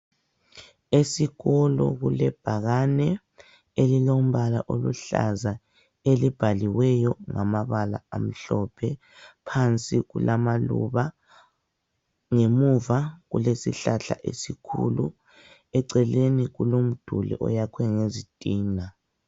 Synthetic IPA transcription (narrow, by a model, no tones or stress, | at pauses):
esiɣɔlɔ̰ɣulɛb̥ʱaɣanɛ | elilom̩βala̰ʔolṵɬa̰za | elib̥ʱaliwɛjɔŋamaβala̰am̩ɬɔpʰɛ | pʰant͡sʼiɣulamalṵβa | ŋemuvaɣṵlesḭɬaɬa̰ʔḛsikʰṵlu | ɛǀɛleniɣulom̩d̥ʱulḭʔɔ̰jakʰwɛŋezitʼiːna